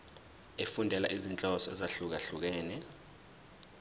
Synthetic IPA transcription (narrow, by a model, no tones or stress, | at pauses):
efundʱɛla̰ʔizint͡ɬʼɔsɔɛ̰zaɬuk̬aɬuk̬ɛːnɛ